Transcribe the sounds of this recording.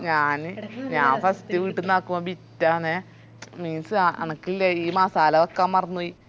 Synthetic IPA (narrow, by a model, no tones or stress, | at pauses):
ɲaːnɨɲaːfɐst̪iʋiːʈːunːaːkːumoːbitːaːne | miːnsɨaɐ̰nɐkːilːeiːmaːsaːlɐʋokːaːmmɐrɐnːuji